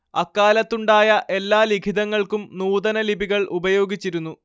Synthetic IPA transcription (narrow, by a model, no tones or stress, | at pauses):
ɐkːaːlɐt̪ːuɳɖaːjɐʔe̞lːaːlikʰid̪ɐŋːɐɭkumnuːd̪ɐnɐlibʱiɣɐɭʔubɐjo̞ːɡit͡ɕːiɾunːu